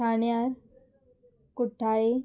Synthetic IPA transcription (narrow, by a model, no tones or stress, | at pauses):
aɳjaɾ | kuʈʰːae